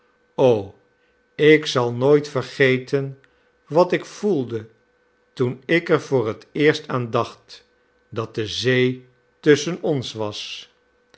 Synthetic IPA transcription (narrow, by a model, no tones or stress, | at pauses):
ow | ɪksɑlˠnoːjtfəɹχejtən | ʋɑtɪkfulˠdə | tunɪkɛɹvʊːrətɪːɹstaːndɑχt | dɑt̚dəzej | tɵsənɔnsʋɑs